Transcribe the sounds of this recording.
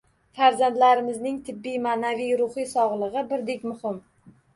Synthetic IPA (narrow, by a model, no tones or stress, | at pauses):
faɾzant̪laɾɪmɪznɪŋt̪ʰɪbːijmanavijɾʊhijsɒʁlˠɨʁɨbɪɾd̪ekʲmʊhɪm